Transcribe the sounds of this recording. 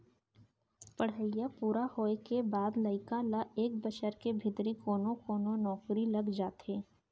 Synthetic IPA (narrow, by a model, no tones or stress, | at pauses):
pəɽ̤əjapuːɾahoːekebaːd̪ləɪkalaʔeːk̚bəʃəɾkebʱɪt̪ɾikoːnõkoːnonɔːkɾilɐɡd͡ʒaːt̪eː